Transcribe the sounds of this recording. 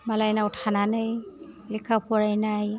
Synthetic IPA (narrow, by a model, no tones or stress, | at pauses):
malajnautʰananɯjlikʰapʰɔɹajnaj